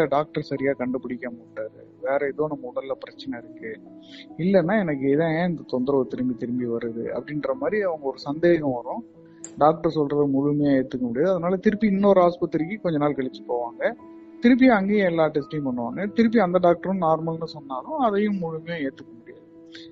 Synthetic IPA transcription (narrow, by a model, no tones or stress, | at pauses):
ɐɖaːk̚ʈɐɾsɐɾɪjaːkɐɳɖɯpɪɽɪkʲːɐmaːʈːaːɾɯ̰ | ʋeːɾɐɛðoːnɐmːɐʊɽɐlɐpɪɾɐt͡ʃːɐnɛɪɾɯkːɯ | ɪlːɛnːaːɛnɐk̬ːɯeːðɐ̃ɪnd̪ɐt̪ɔnd̪ɪɾɐɔɾɯt̪ɪɾɯmbit̪ɪɾɯmbiʋɐɾɯðɯ̰ɐ̰pːɐɽɪnrɐmaːd̪ɾiɐʋɐŋɡɐɔɾɯsɐnd̪eːɣɐ̃ʋɐɾʊ̃ | ɖaːk̚ʈɐɾsɔlɾɐðɯmʊɻʊmɐjaːeːt̪ːɯkːɐmʊɽɪjaːðɯɐðɐnaːlɐt̪ɪɾɯpːiɪnːoɾɦaːspɪʈ̪ːɐɾkːɯkɔɲd͡ʒɐnaːlkɐɭɪt͡ʃːɯ̥pːoːʋaːŋɡɐ | t̪ɪɾɯp̬ːij̃ɐŋɡeːj̃ɛlːaːʈːɛsʈɐj̃mpɐɳːɯʋaːŋɡɐt̪ɪɾɯp̬ːiɐnd̪ɐɖaːk̚ʈɐɾɐ̃naːɾmɐlnɯsɔnːaːlʊ̃ɐðɐjʊ̃mːʊɻʊmɐjaːeːt̪ːɯkːɐmʊɽɪja̰ːðɯ